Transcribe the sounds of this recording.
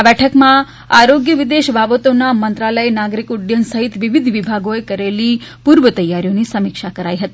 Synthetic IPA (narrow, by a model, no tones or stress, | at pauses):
bɛʈʰəkma | aɾoɡjəʋid̪eʃbʱabət̪onamənt̪ɾaləjnaɡɾikuɖjənsəɦit̪ʋiʋid̪ʱʋibʱaɡoekəɾelipuɾʋət̪əjːaɾjoniːsəmikʂakəɾajɦət̪i